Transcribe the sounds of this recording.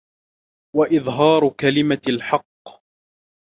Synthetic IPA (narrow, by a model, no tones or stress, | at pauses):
waʔɪðˤɦɑːɾˤkalɪmalħɑqː